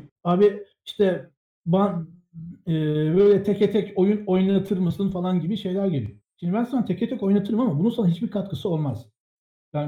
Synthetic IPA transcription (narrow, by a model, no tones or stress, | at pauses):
aːbi | iʃt̪ʰɛ | ban | ɛːbøːjlʲɛt̪ʰɛcet̪ʰɛco̞juno̞jnat̪ʰɯɾmasɯnfalˠanɟibiʃe̞jlʲæɾɟelʲḭjoʃimnd̪ibænsanːat̪ʰecet̪ʰɛco̞jnat̪ʰɯɾɯmamabununsanaɦit͡ʃbiɾkʰat̪kʰɯsɯo̞lˠmaz̥ | bæ